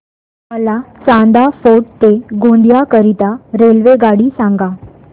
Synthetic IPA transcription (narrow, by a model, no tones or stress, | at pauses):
məlat͡sãnd̪afoʈ̚t̪eɡõnd̪jakəɾit̪aɾelʋeɡaɽiːsãŋɡa